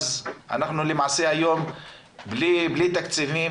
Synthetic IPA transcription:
zʔa̰naχnulɪmaʕseajoːm | bliblit̪akt͡sivi

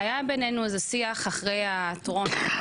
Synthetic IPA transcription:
ajabenenuazesiaχaχʁejatʁo̞n

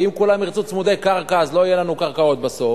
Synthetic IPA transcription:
imkulamiʁt͡sut͡smud̪ejkaʁkaːzlo̞ijelanukaʁkao̞t̪̚baso̞

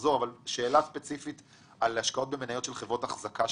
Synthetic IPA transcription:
zo̞ʁavalʃe̞ːlaspet͡sifit̪ | aleaʃkao̞t̚be̞menajo̞tʃelχevʁotaχzakʰa

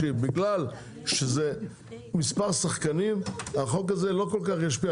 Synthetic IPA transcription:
ibiɡlal | ʃeze | mispaʁsaχkanimaχo̞kazelo̞ko̞lkaχjaʃ̬pi

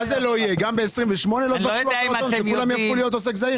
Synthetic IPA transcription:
azelo̞ijeɡambeːsʁimveʃmo̞nelot̪aʃloaʁt̪onʃekulamjafχulijo̞t̪os̬e̞kzaiʁ

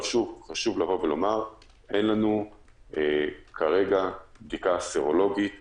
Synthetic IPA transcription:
ʃuvχaʃuvlavo̞velo̞maʁ | ʔenlanu | ekʰaʁe̞ɡabd̪ikaseʁo̞lo̞ɡit̪

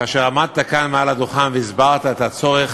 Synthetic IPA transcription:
aʃeʁamad̪̚t̪akanmealad̪oχanveizbaʁt̪aet̪at͡so̞ʁeχ

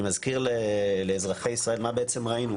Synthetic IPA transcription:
mazkiʁlɛlɛːzʁaχeisʁaelmaːbeɛt͡sɛmʁainu

